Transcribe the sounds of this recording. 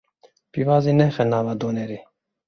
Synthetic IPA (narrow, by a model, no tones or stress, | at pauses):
pivaːzinɛxɛnaːvad̪onɛɾi